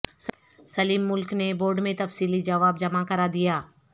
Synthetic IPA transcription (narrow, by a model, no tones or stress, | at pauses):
s | sɐliːmːʊlkneboːɾɖmẽt̪ɐfsiːlid͡ʒɐʋaːb̚d͡ʒɐmakɐɾad̪ijaː